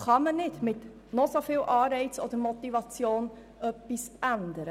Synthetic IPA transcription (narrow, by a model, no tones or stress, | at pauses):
χɑmənɪtmɪt | nosofiːlʔɑːrɛjt͡sɔdəɾmotivɑt͡sjoːn | œpːisʔændəɾə